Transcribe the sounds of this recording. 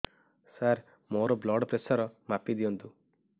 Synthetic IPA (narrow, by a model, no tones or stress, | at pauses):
saɾ | moɾɔblɔɖpɾesɔɾɔmapid̪iɔnt̪u